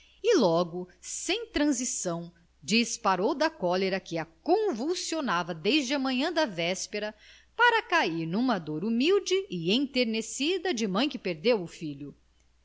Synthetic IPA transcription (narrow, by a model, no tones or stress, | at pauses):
ɪlɔɡʊsẽj̃t̪ɾɐ̃zisɐ̃w̃ | d͡ʒispaɾowd̪ɐkɔleɾɐkɪɐkõvuwsionavɐd̪ejzd͡ʒɪɐmɐ̃ɲɐ̃d̪ɐvɛspeɾɐ | paɾɐkaiɾnũmɐd̪oɾumiwd͡ʒɪʔɪẽj̃t̪eɾnesid̪ɐd͡ʒɪmɐ̃j̃kɪpeɾd̪ewʊfiʎʊ